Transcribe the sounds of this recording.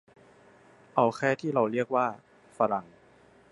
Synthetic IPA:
ʔa˧wxʰɛː˥˩t̪ʰiː˥˩ɾa˧wɾi˥˩ək̚waː˥˩ | fa˧ɾa˨˩ŋ

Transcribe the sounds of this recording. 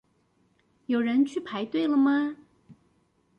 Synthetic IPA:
jo˨˩ʊɻə˧˦˥nt͡ɕʰy˥˩pʰa˧˥ɪt̪we˥˩ɪlə˩mɐ˩

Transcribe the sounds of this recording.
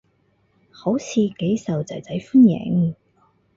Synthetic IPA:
ho˨˥wt͡sʰiː˨˧ke˨˥jsɐ˨˩wt͡sɐ˨jt͡sɐ˨˥jfu˥njɛ̰˨˥ŋ

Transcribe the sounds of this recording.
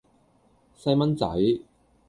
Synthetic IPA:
sɐ˧jmɐ˥nt͡sɐ̰˨˥j

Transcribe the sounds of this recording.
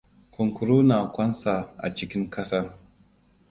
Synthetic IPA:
ku˨ŋku˨ɾu˦na˨kʷa˦nsa˨a̰˨t͡ʃi˨kʲi˦ŋkʰɐ˦sa˦ɾ

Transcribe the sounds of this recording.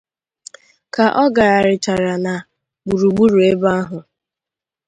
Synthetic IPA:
ka˨ʔɔ˦ɡa˨a˨ɾɪ˨t͡ʃa˨ɾa˨na˨ | ɡ͡bu˨ɾu˨ɡ͡bu˦ɾu˨e˦ba˦a˦ɦʊ˨

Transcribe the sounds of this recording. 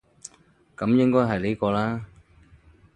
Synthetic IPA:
kɐ˨˥mjɪ˥ŋkɔː˥jɦɐ˨˩jliː˨˥kɔː˧laː˥

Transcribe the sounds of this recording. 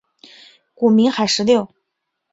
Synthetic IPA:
ku˨˩mi˧˥ŋxa˨˩ɪʂɻ̩˧˥ljo˥˩ʊ

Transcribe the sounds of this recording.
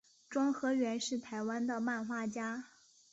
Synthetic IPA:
ʈ͡ʂwɑ˥ŋxɤ˧˥ɥɛ˧˥nʂɻ̩˥˩t̪ʰa˧˥ɪwa˥nd̪ə˨ma˥˧nxwa˥˩t͡ɕja˥

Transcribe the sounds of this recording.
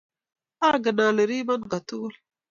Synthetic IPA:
a˦ɾɡə˨naː˨le˨ɾi˦ma˦n˨ɡa˨t̪u˦l

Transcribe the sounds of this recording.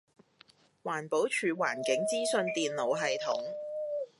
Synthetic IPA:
waː˨˩npo˨˥wt͡ʃʰyː˨˩waː˨˩nkɪ˨˥ŋt͡siː˥sɵ˧nt̪iː˨nlo˨˧wɦɐ˨jt̪ʰʊ̰˨˥ŋ

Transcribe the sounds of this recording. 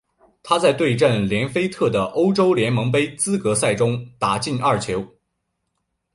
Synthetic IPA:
t̪ʰa˥t͡sa˥˧ɪt̪we˥˧ɪʈ͡ʂə˥˩nljɛ˧˥nfe˥ɪt̪ʰɤ˥˩d̪ə˩ʔo˥ʊʈ͡ʂo˥ʊljɛ˧˥nmɤ˧˥ŋp̬e˥ɪt͡sɹ̩˥kɤ˧˥sa˥˩ɪʈ͡ʂʊ˥ŋt̪a˧˥t͡ɕi˥˧nɐ˥˩t͡ɕʰjo˧˥ʊ

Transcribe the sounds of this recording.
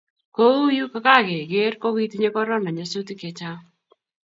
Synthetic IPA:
ko˦u˦ju˦ka˦ka˦ɣe˨ɡe˦rko˦ɣi˦t̪i˦ɲe˦kɔ˦ɾɔ˦na˨ɲa˦su˦t̪i˦ke˨t͡ʃa˦

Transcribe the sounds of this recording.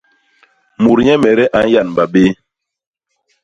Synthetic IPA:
mu˨ɾɲɛ˦mɛ˨ɾɛ˦ʔa˨˦n˦ja˦˨n˨ba˨be˦

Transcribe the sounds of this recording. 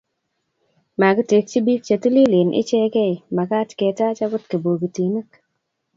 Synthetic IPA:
ma˨ɡte˨k̚t͡ʃi˦bi˦k̚t͡ʃe˨ti˦li˦lɪ˨nʔɪ̰˦t͡ʃɛ˦kɛ˦ɪ˨ma˨ka˦tke˨ta˦t͡ʃa˦ɡʊ˦tkə˨bo˨ɡi˨ti˨nə˦k

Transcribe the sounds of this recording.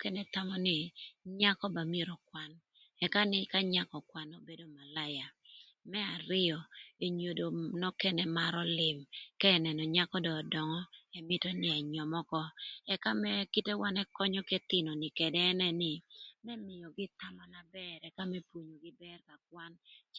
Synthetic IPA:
kɛ˦nɛ˨t̪a˦mɔ˦nɪ˨ɲa˦kɔ˦ba˨mi˦e˦ɾɔ˨kwa˦n | ɛ˨ka˦nɪ˦ka˦ɲa˦kɔ˨kwa˦no˦be˦do˦ma˨la˦ja˨ | mɛ˦a˨ɾɪ˦ɔ˨e˨ɲo˨do˨nɔ˦kɛ˦nɛ˦ma˦ɾɔ˦lɪ˨mkɛː˦˨nɛ˨nɔ˨ɲa˦kɔ˦dɔ˨dɔ˨ŋɔ˦ɛ˨mɪ˦tɔ˦nɪ˦ɛ˨ɲɔ˨mɔ˦kɔ˦ɛ˦ka˦mɛ˦ki˦te˦wa˦nɛ˦kɔ˦ɲɔ˦ke˦t̪ɪ˨nɔ˨nɪ˨kɛ˨dɛː˦nɛ˦nɪ˨mɛ˦mɪ˨jɔ˨ɡɪ˦t̪a˦ma˨na˨bɛɾɛ˨ka˦mɛ˦pwo˨ɲo˨ɡɪ˦bɛ˦rka˨k̚wa˦n

